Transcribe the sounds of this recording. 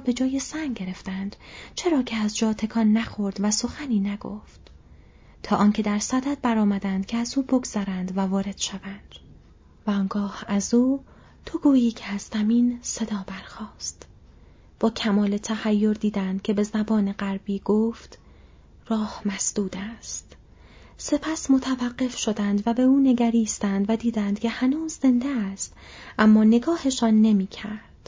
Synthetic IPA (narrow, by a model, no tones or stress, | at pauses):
be̞d͡ʒɒːje̞sæŋɡɟe̞ɾe̞ft̪ænd̪̥t͡ʃʰe̞ɾɒːcʰeæzd͡ʒɒːt̪ʰe̞kʰɒːnːæxo̞ɾd̪væso̞xæniːnæɡo̰ft̪ | t̪ʰɒːʔɒːncʰe̞d̪æɾsæd̪æd̪̚bæɾɒːmæd̪ænd̪̥cʰeæzuːbo̞ɡz̥æɾænd̪vævɒːɾe̞d̪̥ʃævænd̪̥ | væɒːnɡɒːhæzuː | t̪ʰoɡuːjiːcʰeæzzæmiːnse̞d̪ɒːbæɾxɒːst̪ | b̥ɒːcʰæmɒːle̞t̪ʰæhæjːo̞ɾd̪iːd̪ænd̪̥̚cʰe̞be̞zæbɒːne̞ɢæɾbiːɡ̥oːft̪ | rɒːhmæsd̪̥uːd̪æst̪ | se̞pʰæsmot̪ʰævæɢːe̞fʃo̞d̪ænd̪væbe̞uːne̞ɡæɾiːst̪ænd̪væd̪iːd̪ænd̪̥cʰe̞hænuːzːe̞nd̪eæst̪ʔæmːɒːne̞ɡɒːhe̞ʃɒːnːe̞miːcʰæɾɾd̪̥